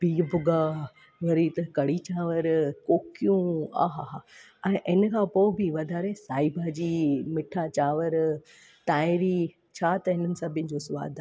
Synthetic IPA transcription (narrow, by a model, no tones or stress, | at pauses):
biːbʊɡaː | ʋɐɾit̪ɐkɐɽit͡ɕaːʋəɾkoːkijũa̰ːɦaɦa | ɛ̃ːʔɪnkʰãːpoːbɪʋɐd̪ʱaːɾesaːibʱad͡ʑiːmɪʈʰat͡ɕaːʋəɾ | t̪aːɪɾi | t͡ɕʰaːt̪ɐɦɪ̃nənɪ̆sɐbʱɪə̃d͡ʑosʊʋa̰ːd̪ʱa